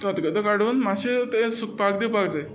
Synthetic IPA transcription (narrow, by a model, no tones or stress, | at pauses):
kat̪kət̪əkaɽuːnmaɕit̪esuk̚pakd̪ipakd͡zaj